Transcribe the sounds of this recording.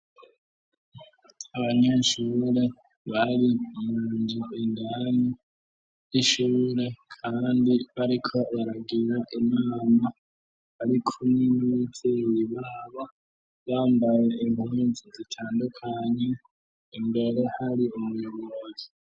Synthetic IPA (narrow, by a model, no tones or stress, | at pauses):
aβaɲeʃuːɾe̞ | βaɾimuːɲd͡ʒiindani | iʃuːɾe̞kʰaːndiβaɾikʰo̞βaɾaɡiɾaʔimaːma | βaɾikʰuminit͡sejiβaːβa | βaːmbaje̞imhuːnzizitʰaːndukʰaɲe | imbe̞ɾe̞haɾiumwiβozi